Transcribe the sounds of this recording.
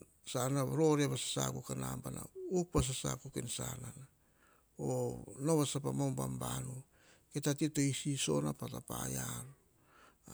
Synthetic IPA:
sanaɾoɾeβasḁsa̰kukanambana̰uk̚pas̬asa̰kukḛnsa̰nana | onoβasapamambambanu | ketatitoisiso̞napatapa̰jaɾ

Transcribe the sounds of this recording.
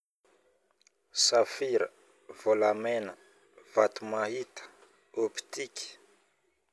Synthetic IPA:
safiɾə | v̥olamɛnə | v̥at̪umahit̪ə̥ | opi̥t̪iki̥

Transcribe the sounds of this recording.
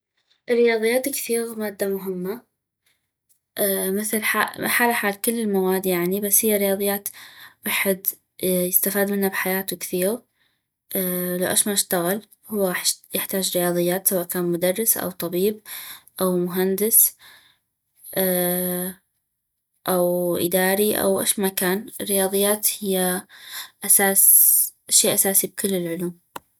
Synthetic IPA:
ʔrːɪjɑːðˤɨjːaːt̪kθiːɣamaːd̪ːamʊɦɪmːa | ʔːmɪθlħaħaːlaħaːlkɪlːɪlmawaːd̪jaʕnibasːhɪjːaɾɪjɑːðˤɨjːaːt̪waħɪd̪ | jɪst̪afaːd̪mɪnːabħajaːt̪ukθiːɣ | ʔːlawʔaʃmaʃt̪aɣɪl | hʊwːaɣaːħjɪħt̪aːd͡ʒɾɪjɑːðˤɨjːaːt̪sawaːʔkaːnmʊd̪ɑrˤːɪsʔa̰wt̪ˤɑbiːb̚ʔawmʊɦand̪ɪs | ʔ | ʔawʔɪ̰d̪aːɾiʔa̰wʔa̰ʃmakaːnɪrːɪjɑːðˤɨjːaːt̪hɪjːa | ʔasaːsʔaʃːeːʔasaːsib̚kʊlːɪlʕʊluːm

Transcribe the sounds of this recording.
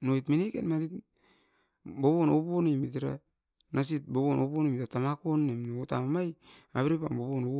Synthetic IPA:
nojtminekḛnmaɾit | boβonoβonimit̬iɾa̰ | nas̬it̚boβonoponimitatamakonːemnota̰mamajaβeɾepamboβono

